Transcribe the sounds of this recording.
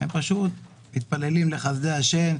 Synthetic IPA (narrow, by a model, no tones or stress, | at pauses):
empaʃut̪ | mit̪̚pale̞limleχazd̪eaʃen